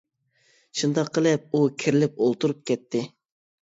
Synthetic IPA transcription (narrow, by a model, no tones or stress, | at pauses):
ʃund̪ɑqʰːəlˠɪp̚ukʲʰiɾɪlɪp̚olˠt̪uɾup̚kʲɛt̪ʰːɪ